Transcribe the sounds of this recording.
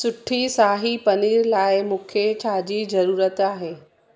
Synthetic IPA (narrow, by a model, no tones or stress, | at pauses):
sʊʈʰisaːɦipɐniːɾlaːɪmũːkʰet͡ɕʰaːd͡ʑiːzɐɾuːɾət̪aːɦeː